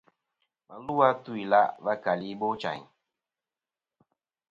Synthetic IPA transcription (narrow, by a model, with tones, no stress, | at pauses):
mə˨lu˦wa˦tu˦i˨la̰˦ʔva˦ka˨li˦bo˦t͡ʃa̰˨ɲ